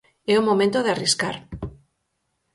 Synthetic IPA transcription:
ɛumomẽnt̪oðeariskaɾ

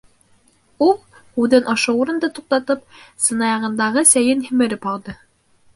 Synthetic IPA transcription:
ulˠ | hʉðɘnʔɑʃɤuɾɤ̆nd̪ɤt̪uq̚t̪ɑt̪ɤp̚sɤ̆nɑjɑʁɤ̆nd̪ɑʁɤsæjɘnhĭmɘ̆ɾɘphɑlˠd̪ɤ

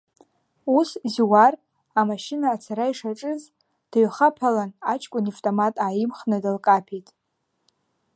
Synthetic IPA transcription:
uszwar | amaʃɪnaːt͡sʰaɾaiʂaʈ͡ʂʼɨz | d̥aɥχapʰalanat͡ʃʰkʷʼʊnaftʼomatʼaːjɪmχnadalkʼapʰitʼ

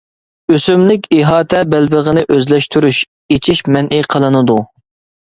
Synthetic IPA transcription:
øsymlɪkʲiɦɑːt̪ʰɛbɛlbəʁənɪʔøzlɛʃt̪ʰyɾyʃ | et͡ʃʰiʃmɛnʔiqʰəlˠɨnɨd̪u

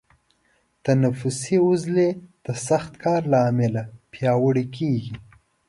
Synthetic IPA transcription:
t̪anafʊsiʊzled̪̥əsaxt̪kʰɑːɾlɑːmɪlapjɑwəɽikʰeɡi

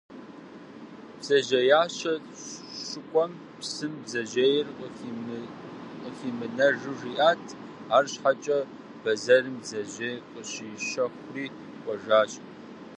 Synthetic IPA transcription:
b̥z̥ɐʑɐjaːɕɐ | ʃɨkʷʼɔm | psɨmzɐʒejɪrqəi | qʼəxiːmɨnɐʐɨriːʔaːtʰ | aːrɕħat͡ʃʼɐ | bɐzɐrɨmzɐʑɐqʼəɕiʃɐxʷriː | kʷʼɔʒaːɕ

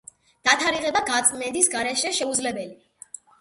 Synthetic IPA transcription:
d̪̥at̪ʰaɾiʁɛbaɡat̪sʼmɛnd̪isɡaɾɛʃɛʃɛud̪zlɛbɛli

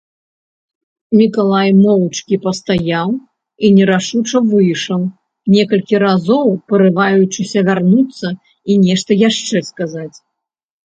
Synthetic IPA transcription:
mʲikalˠajmɔwt͡ʂkʲipɐst̪ajaw | inʲɛɾaʂut͡ʂɐvɨjʂɐw | nʲɛkɐlʲkʲiɾazɔwpɐɾɨvajut͡ʂɨsʲɐvʲarnut̪sːɐ | inʲɛʂt̪ɐjaʂt͡ʂɛskazat͡sʲ

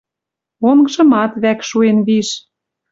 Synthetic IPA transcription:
oŋɡɤ̆ʒɤ̆mɑt̪βækʃuenβiʃ

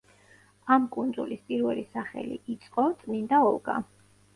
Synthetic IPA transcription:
amkʼund̪zulispʼiɾvɛlisaχɛ̰lḭʔːt̪sʼqʼɔt̪sʼnind̪aɔlˠɡa̰

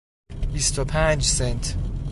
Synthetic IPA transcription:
bist̪ʰopʰæ̃nd͡ʒsɛnt̪

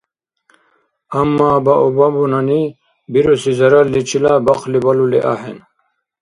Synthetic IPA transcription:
ɐmːaːbɐʔobɐbunɐni | biɾosizɐɾɐlːit͡ɕʰilabɐqʰlibɐlulḛʔa̰hen

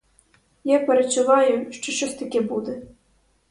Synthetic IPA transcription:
japʲɛɾɐt͡ʂuvajuʂt͡ʂɔʃt͡ʃɔsʲt̪akʲɛbud̪ɛ

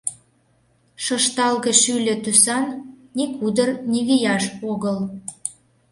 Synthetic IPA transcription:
ʃɤʃt̪ɑlɣə̆ʃylʲĕt̪ysɑnːikud̪ərnʲiɣijɑʃoɣəl

